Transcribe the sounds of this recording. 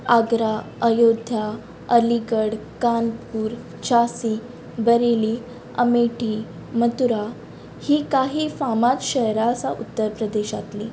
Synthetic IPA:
aɡɾaəjod̪ʱja | əliɡəɽkanpuːɾ | t͡ɕʰasiː | bəɾeli | ə̰meʈiː | mət̪uɾa | hiːkaɦiːfamat͡s̪ɕəɦɾaəsaʔut̪ːəɾpɾəd̪eɕat̪lḭː

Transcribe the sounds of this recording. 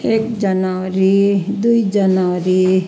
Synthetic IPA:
eːkd͡ʒɐnaʋɾid̪uid͡ʒɐnɾi

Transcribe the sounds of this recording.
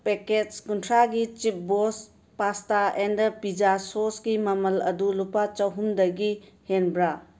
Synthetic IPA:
pekekuntʰɾaɡit͡ʃip̚bos | pastaendpid͡ʒasosɡimɐmɐlɐdulupat͡ʃɐwɦumdɐɡihenbɾa

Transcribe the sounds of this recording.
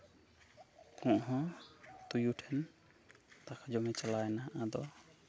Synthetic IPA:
kɔ̃ʔɦɔ̃t̪ujuʈʰɛn | t̪akʰad͡ʒɔmɛt͡ʃalajnaʔad̪ɔ

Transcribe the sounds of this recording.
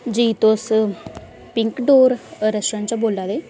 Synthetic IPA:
d͡ʒiːt̪os | pɪŋkɖoːɾɾɛsʈɾãːnt͡ʃãːboːlːaːd̪eː

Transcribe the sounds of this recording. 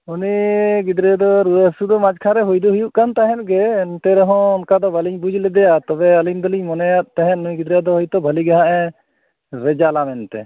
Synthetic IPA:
uniɡid̪ɾɛd̪ɔɾuəsud̪ɔmad͡ʒkʰaɾɛɦujd̪uɦujuʔkant̪aɦɛ̃t̪̚ˀɡɛːnt̪ɛɾɛɦɔ̃ɔnkad̪ɔbʱaliɲbud͡ʒʱlɛd̪ɛjat̪ɔbɛalind̪ɔliɲmɔnɛjat̪̚ˀt̪ɛɦɛ̃t̪nujɡid̪ɾɛd̪ɔɦɔjt̪ɔbʱaliɡaɦãʔɛ | ɾɛd͡ʒalamɛnt̪ɛ̰

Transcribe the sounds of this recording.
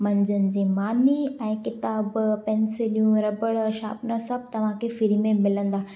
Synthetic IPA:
mɐ̃ɲd͡ʑənɪ̆d͡ʑĩːmaːniɛ̃ːkɪt̪aːbpɛ̃nsɪlijũɾɐbəɭʃa̰ːpnasɐb̚t̪ɐʋ̤ãkʰefɪɾimẽmɪlə̃nd̪aː

